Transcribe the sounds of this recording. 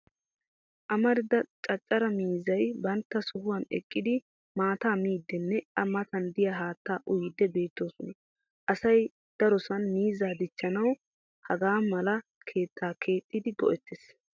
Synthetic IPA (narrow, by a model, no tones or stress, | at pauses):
ʔɐmɐɾɪd̪ɐt͡ʃʼɐt͡ʃʼːɐɾɐmiːzɐjbɐnt̪ːɐsʊhʊwɐnɛ̰kʼːɪd̪ɪ | maːt̪aːmiːd̪ːɛnːɛɐmɐt̪ɐnd̪ɪjaɦaːt̪ːaːʔʊjɪd̪ːɛbe̞ːt̪ːo̞ːsɔnɐ | ʔɐsɐj | d̪̥ɐɾɔsɐnmiːzaːd̪ɪt͡ʃːɐnɐw | hɐɡaːmɐlɐ | kʰe̞ːt̪ʰːaːkʰe̞ːt̪ʼːɪd̪ɪɡɔ̰ʔɛt̪ːes